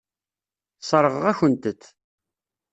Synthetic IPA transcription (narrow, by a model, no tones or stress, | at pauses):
sˤəɾˤəʁəʁæçənt̪ət̪ː